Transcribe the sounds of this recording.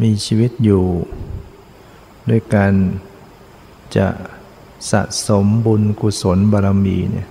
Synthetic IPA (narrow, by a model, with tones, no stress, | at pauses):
miː˧t͡ɕʰiː˧wi˦˥t̪̚juː˨˩ | du˧əjkaː˧n | t͡ɕa̰˨˩ʔ | sa̰˨˩ʔso˩˦mbuː˧nku˧˩so˩˦nbaː˧ɾa˧mḭː˧nḭ˦˧˩ɐ